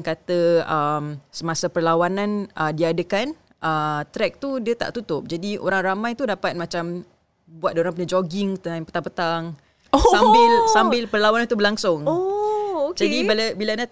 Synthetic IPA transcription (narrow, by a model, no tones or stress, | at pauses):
nkat̪əəmsəmasapərlawanãnʔədiadəkan | ʔət̪ɾɛk̚t̪udiət̪a̰ʔt̪ut̪ʊp̚d͡ʒadio̰ɾaŋɾamãjt̪udapat̪̚mat͡ʃam | buat̪̚doɾaŋpuɲad͡ʒoɡɪŋt̪əanpə̥t̪aŋpət̪aŋ | ambɪlsambɪlpərlawanãnt̪ubəlaŋsʊŋood͡ʒadibalabilana